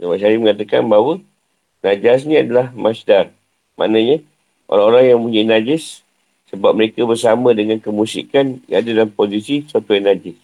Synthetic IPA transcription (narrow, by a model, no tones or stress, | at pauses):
d͡ʒamaʔʃaɾiməŋat̪aka̰nbaɦwə | nad͡ʒas̬nĩadalahmasdar | ma̰nəɲa | ʔo̰ɾaŋoɾaŋjaŋuɲainad͡ʒɪsː | əbap̚məɾekabərsamə̃dəŋankəmusḭkanja̰ŋadadalampozisisat̪ujaŋnad͡ʒɪs